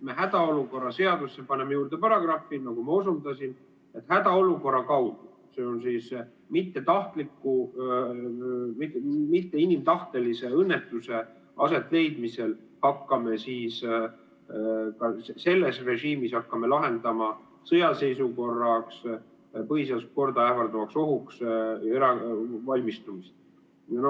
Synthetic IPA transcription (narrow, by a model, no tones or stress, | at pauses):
me̞ɦæd̪̥ɑo̞luko̞rːɑse̞ɑd̪̥usːepɑnemejuːrd̪̥e̞pɑɾɑɡ̥rɑfːinɑɡ̥umɑosund̪ɑsin | e̞t̪ːhæd̪̥ɑo̞luko̞rːɑkɑwd̪̥u̥ | se̞ːonsiːs | mit̪ˑːe̞t̪ɑht̪likːu | mmit̪ːe̞inimt̪ɑht̪e̞lise̞ɤnːe̞t̪ːˑuse̞ | ɑ̰se̞t̪ːˑle̞jd̪mise̞l | hɑkːɑme̞siːs | kɑse̞lːesre̞ʒiːmishɑkːɑme̞lɑɦe̞nd̪̥ɑmɑ | sɤjɑse̞jsuko̞rːɑks | pɤɦisɑlsko̞rd̪ɑæfɑrd̪umɑkso̞ɦukseɾɑvɑlʲmist̪umist̪ | jɑno